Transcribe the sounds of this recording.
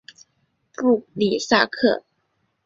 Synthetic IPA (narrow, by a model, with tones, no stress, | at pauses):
pu˥˩li˨˩sa˥˧kʰɤ˥˩